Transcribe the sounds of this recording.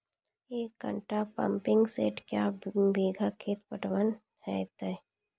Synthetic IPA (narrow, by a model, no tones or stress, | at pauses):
eːkːə̰̃ɳʈapə̰̃mpɪ̃ŋɡsḛːʈkjabeːɡʱakʰeːt̪pəʈwən | hɛt̪ɛ